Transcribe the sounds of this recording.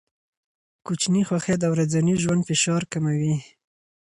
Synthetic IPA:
kut͡ʃnixwaxed̪awɾad͡zaniʒwand̪fɪʃɑɾkamawi

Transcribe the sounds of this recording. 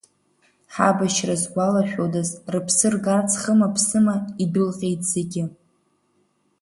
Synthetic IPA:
ħabaʃrazɡʷalaʃᶣodazrɨpʰsɨrɡart͡sʰχəmapʰsɨmaidɨlqʲʼe̞jtʰʼz̥eɡʲɪ

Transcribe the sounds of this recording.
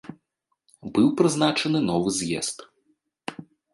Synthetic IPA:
bɨwpɾɨznat͡ʂɐnɨnɔvɨzʲjɛ̰st̪

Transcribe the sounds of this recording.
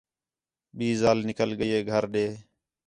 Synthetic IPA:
ɓiːzaːlnɪkəlɠəjeːɡʱəɾɗeː

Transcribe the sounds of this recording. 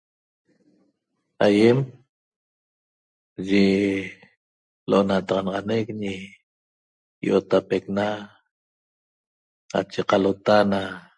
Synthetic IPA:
ajem | ʒe | loʔonat̪ɑʁɑnɑʁɑnekɲi | jʔot̪apekna | a̰t͡ʃeqalot̪ana

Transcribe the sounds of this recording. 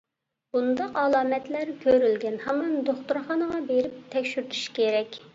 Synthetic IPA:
b̥und̪ɑqɑlˠɑːmɛt̪læɾkʲʰøɾylɡʲɛnhɛmɑnd̪oχt̪uɾχɑnəʁɑbeɾɪp̚t̪ʰɛkʲʃyɾt̪ʰu̥ʃkʲeɾɛkʲ

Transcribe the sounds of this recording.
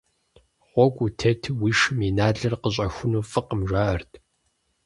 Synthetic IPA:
ʁʷɔkʷʼutʰɐtʰɨwiːʃɨminaːɮɐrqəɕ̬ʼɐxʷʊnuːfɨqəmʒʷaːʔɐrtʰ

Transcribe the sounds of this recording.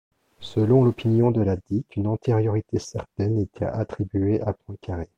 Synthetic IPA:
səlɔ̃lɔpinjɔ̃d̪əlad̪ikynɑ̃t̪eʁjɔʁit̪esɛʁt̪ɛnet̪ʰɛ̰a̰t̪χibɥeʔapɔ̃kʰaʁe

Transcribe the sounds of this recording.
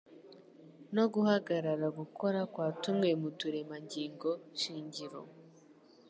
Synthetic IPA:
no̞ɡuhaɡaɾaɾaɡuko̞ɾakwaːtumŋe̞mutuɾemaɲɟiːŋɡo̞ʃiːɲɟiɾo̰

